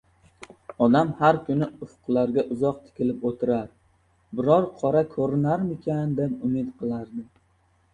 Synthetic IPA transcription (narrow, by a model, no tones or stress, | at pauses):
ɒd̪amhaɾkʲʰʊnɪʊfʊqlˠaɾɡʲaʔʊzɒq̚t̪ʰɪ̥kʲʰɪlɪpot̪ʰɪɾaɾ | bɪɾɒɾqʰɒɾakʰɵɾɪnaɾmɪkʲʰand̪ep̚ʊmɪt̪qʰɨlˠaɾd̪ɪ